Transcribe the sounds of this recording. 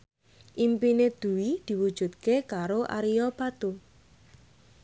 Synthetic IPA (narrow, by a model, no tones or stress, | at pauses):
ʔimpined̪̥ṳwid̪̥i̤wud̥ʒ̥ṳt̪̚kekaɾoʔa̰ɾiɔpat̪u